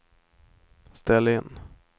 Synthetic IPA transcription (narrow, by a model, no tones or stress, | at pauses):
st̪ɛlːɪnː